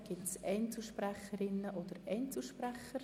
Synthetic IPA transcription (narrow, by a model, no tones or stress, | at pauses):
ɡ̥ɪtsɛntsuʃprɛχəɾɪnːəʔod̥̪əɾɛntsuʃprɛχəɾ